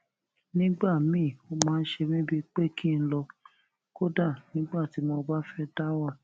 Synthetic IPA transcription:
nĩ˦ɡ͡ba˦˨mĩ˦˨o˧mãː˦˧n̩˦ʃe˧mĩ˦bi˧k͡pe˦kʰi˦n̩˦lɔ˧ | ko˦da˦˨nĩ˦ɡ͡ba˦˨ti˨˦mɔ˧ba˦fɛ˦da˦wa˦˨

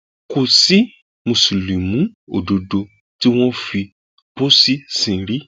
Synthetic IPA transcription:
ko˨si˦ | mo˨su˨li˨mũ˨˦o̰˨do˨do˧ | ti˦w̃ɔ̃˦fi˧ | bo˦si˦sĩ˧˦ɾi˦

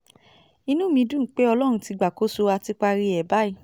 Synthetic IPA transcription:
i˧nũ˦mĩ˧˦dũ˦˨˦k͡pe˦ɔ˧lɔ˦ɾ̃ũ˧ti˨˧ɡ͡ba˨ko˦so˧a˧ti˦k͡pa˧ɾi˧ɛ˨ba˦i˦˨

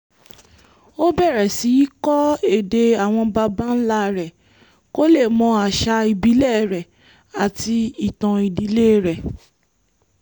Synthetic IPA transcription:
o˦bɛ˦˨ɾɛ˨si˨˦i˦kɔ˦e˦˨de˧a˨w̃ɔ̃˧ba˧ba˦n̩˦la˦˨ɾɛ˨ | ko˦le˦˨mɔ̃˧˦a˨ʃa˧i˨bi˨˦lɛ˦ɾɛ˨ | a˨ti˧i˨tã˨i˨di˨˧˦le˦ɾɛ˨

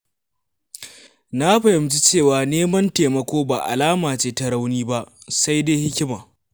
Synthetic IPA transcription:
na˦ɸɐ˨hɪ˨mt͡ʃi˦t͡ʃeː˦˨waː˨neː˦mɐ˦nteː˨mɐ˦kʷoː˦baː˨ʔa̰˨laː˦maː˨t͡ʃeː˦ta˦ɽa˦wniː˦ba˦ʔsa˦jdeː˦hɪ˦kʲɪ˦maː˨

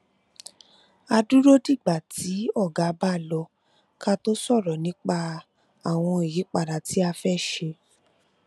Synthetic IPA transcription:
a˧du˦ɾo˦di˦˨ɡ͡ba˨tʰi˨˦ɔ˦˨ɡa˨˦ba˦˨lɔ˧ | ka˦to˦sɔ˦˨ɾɔ˨nĩ˨˦k͡pa˧ | a˨w̃ɔ̃˧i˨ji˨˦k͡pa˨ɾa˨ti˨˦a˧fɛ˦˨ʃe˧

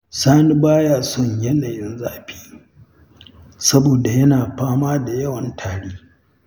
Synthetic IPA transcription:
saː˦ni˦baː˦jaː˨sɔ˦ɲjɛ˦naː˨jɪ˦nzaː˨ɸi̥ː˦ | sɐ˦boː˨da˨jɐ˦naː˨ɸaː˦maː˦da˨jɐ˦wɐ˨ntʰaː˨ɽeː˦

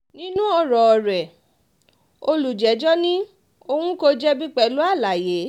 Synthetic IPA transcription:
nĩ˦nũ˦ɔ˧˨ɾɔ˨ɔ˨ɾɛ˨ | o˧lu˨d͡ʒɛ˨˦d͡ʒɔ˦nĩ˦ | o˧hũ˦ko˧d͡ʒɛ˦bi˦k͡pɛ˧lu˦a˦˨la˨je˨˦

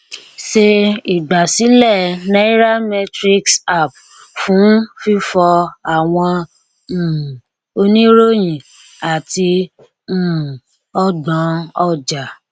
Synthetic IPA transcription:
ʃe˧i˨ɡ͡ba˨si˨˦lɛ˦˨nã˦i˦ɾa˦mɛ˧tɾi˦ksa˦˨p | fũ˨˦n˦fi˦fɔ˧a˨w̃ɔ̃˧˨ | o˧nĩ˦ɾo˦jĩ˨ | a˨ti˧ | m̩˨ | ɔ˦dã˨˦ɔ˧d͡ʒa˨

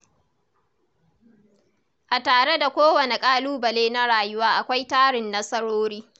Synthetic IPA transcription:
ʔa˨taː˨ɽe˦da˨kʷoː˦wɐ˨ne˨kʼaː˦luː˦bɐ˨leː˦na˦ɽaː˨jʊ˦waː˦ʔa˨kʷa˦jtaː˦ɽɪ˨nːɐ˦sɐ˦ɽoː˦ɽiː˦

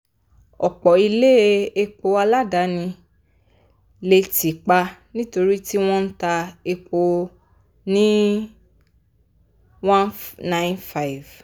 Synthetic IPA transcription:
ɔ˨k͡pɔ˨i˧le˦e˦e˧k͡po˧a˧la˦da˨˦nĩ˧ | le˧ti˨k͡pa˧nĩ˦to˧ɾi˦ti˦w̃ɔ̃˦n̩˦ta˧e˧k͡po˧ | nĩ˦ | w̃ã˦nnã˧ɪ̃˦nfa˦i˨v

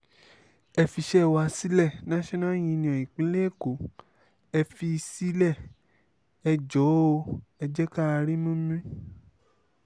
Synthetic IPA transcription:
ɛ˧fi˧ʃɛ˦˧wa˧si˦lɛ˦˨nã˦ʃɔ̃˦nã˦˨j̃ĩ˧nĩ˧˨ã˨i˨k͡pĩ˨˦le˦˨ko˨˦ | ɛ˧fi˧si˦lɛ˦˨ | ɛ˧d͡ʒɔ˨˦o˧ɛ˧d͡ʒɛ˦ka˦˧ɾi˦mũ˦mĩ˦

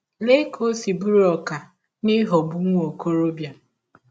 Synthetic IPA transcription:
le˦kʰo˦si˨bu˦ɾɔ˨ka˨ | ni˦ɦɔ˨bu˦ŋʷo˨ko˦ɾo˦bja˨

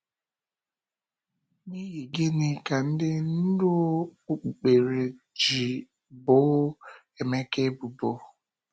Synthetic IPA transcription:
ni˦je˨ɡe˦nɪ˨ka˨n̩˦dɪ˦n̩˦dʊ˦u˦k͡pu˨k͡pe˨ɾe˨ | d͡ʒi˨ | bʊ˨˦ | e˨me˦ke˦bu˨bo˨˦

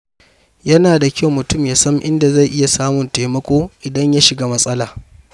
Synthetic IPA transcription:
jɐ˦naː˨da˨kʲɐ˦wmʊ˨tʊ˦mjaː˨˦sɐ˦mʔɪ˦nda˨za˦˨ʔɪ˦ja˨saː˦mʊ˨nta˨jmɐ˦kʷoː˦ʔɪ˨dɐ˦ɲja˦ʃɪ˨ɡaː˦mɐ˦sʼɐ˦laː˨

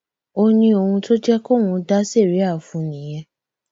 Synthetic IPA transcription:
o˧nĩ˧o˧hũ˧to˦d͡ʒɛ˦ko˦˨w̃ũ˧da˦se˦˨ɾi˨˦a˦˨fũ˧nĩ˨j̃ɛ̃˧

